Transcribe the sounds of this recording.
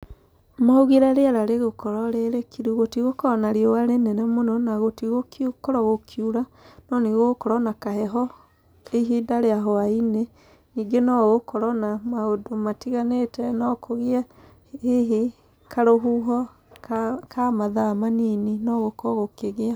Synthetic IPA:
mauɣiɾaɾeaɾaɾeɣokɔɾɔɾeɾekiɾuɣotiɣokɔnaɾiɔwaɾenɛnɛmonɔnaɣotiɣokukɔɾɔɣokʰjuɾanɔniɣokɔɾɔnakahɛɦɔ | eɦidaɾeaɦɔaine | niːɡenɔɣokɔɾɔnamaodomatiɣanetɛnɔkʰoɣia | eɦe | kʰaɾoɦuɦɔ | kamaðamanininɔɣokɔɣokeɣea

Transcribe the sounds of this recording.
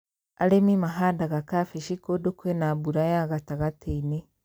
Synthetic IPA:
a̰lemimaɦaːndaɣakafiʃikodokwenabuɾajaɣataɣatʰeine

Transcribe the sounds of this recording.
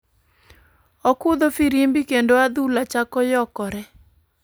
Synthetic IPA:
ɔkʊd̪ofiɾimbikendoad̪ulat͡ʃakɔjɔkɔɾɛ

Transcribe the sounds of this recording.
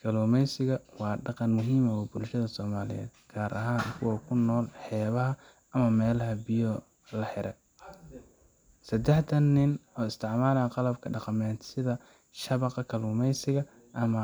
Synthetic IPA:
kʰɐluːmɛjsɪɣɐwɑːɖɑqɑnmʊɦiːmɐwʊbʊlʃɐðɐsɔːmaːlɪ̰jɛ̰ːd̪̚ɡ̥ʰaːɾʔɐ̰ɦaːnkʰʊwɔkʰʊnːɔːlħɛːβɐɦɐ | ɐmɐmɛːlɐɦɐbɪjɔ | lɐħɪɾɛ | sɐd̪ɛħt̪ʰɐnːɪnɔːɪst̪ʰɪʕmaːlɐqɑlɐbkʰɐɖɑqɑmɛːt̪sɪðɐ | ʃɐβɑqɑkʰɐluːmɛjsɪɣɐ | ʔɐmɐ

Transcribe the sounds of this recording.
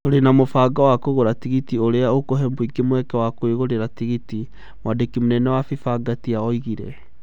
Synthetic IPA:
oɾenamofaːɡawakoɣoɾatiɣitioɾeaokoɦɛmboiɡemwɛkɛwakoeɣoɾeɾatiɣiti | mwadekimonɛnɛwafifaɡatiaɔiɣiɾɛ̰

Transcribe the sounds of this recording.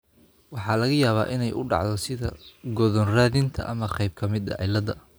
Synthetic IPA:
wɑħɑːlɐɣɐjaːβa̰ːʔɪnɛjʔʊɖɑ̰ʕðɔsɪðɐɡɔðɔnraːðɪnt̪ʰɐ̰ʔɐmɐqɛjb̚kʰɐmɪd̪ɐ̰ʕɪlɐðɐ

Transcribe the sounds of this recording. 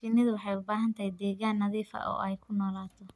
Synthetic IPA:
fɪnɪðʊwɑħɑjʊbaːɦɐnt̪ʰɐhɛd̪ɛːɣaːnːɐðiːfɐ̰ʔɔ̰ːʔɛjkʰʊnɔːlaːt̪ʰɔ

